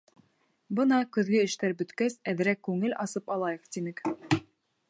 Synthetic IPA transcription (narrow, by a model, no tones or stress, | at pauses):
bɤnɑkɵ̆ðɡɘɘ̆ʃt̪æɾbɵ̆t̪kæsæðɘ̆ɾækːʉŋɘlɑsɤpɑlˠɑjɤqt̪inɘk